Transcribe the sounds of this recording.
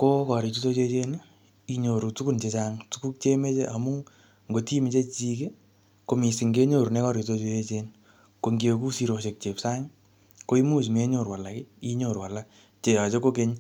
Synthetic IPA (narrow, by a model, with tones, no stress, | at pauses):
ko˦kɔ˨ɾi˨tu˦to˦t͡ʃe˦t͡ʃe˦n | i˦ɲo˨ɾu˨tu˦ku˦nt͡ʃe˧t͡ʃaŋtu˦ku˦k̚t͡ʃe˦me˦t͡ʃe˦ʔa˨mu˦ | ŋɡo˨ti˦mi˨t͡ʃe˦t͡ʃi˦ke˦ | ko˨mi˨si˨ŋɡe˦ɲo˦˨ɾne˦kɔ˦ɾi˨to˦t͡ʃo˦je˦t͡ʃen | ko˧ŋɡje˧ku˦si˦ɾo˨ʃe˨k̚t͡ʃe˨psa˦ŋ | ko˧˦i˦mu˦t͡ʃme˦ɲo˦˨ɾwa˨la˨kɪ˦i˦ɲo˨ɾwa˨la˦ | t͡ʃe˨ja˨t͡ʃe˦ko˦ke˦ɲ